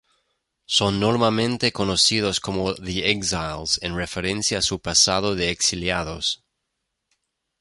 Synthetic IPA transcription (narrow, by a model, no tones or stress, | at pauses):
sonːoɾmamẽnt̪ekonosiðoskomoðiekzajlsenrefeɾẽnsjaːsupasaðoðeːksiljaðos